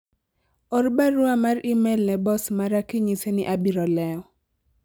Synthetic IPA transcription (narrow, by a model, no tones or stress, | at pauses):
ɔɾbaɾʊamarɪmɛlnɛbɔsmaɾakiɲisenɪʔabiɾɔlɛɔ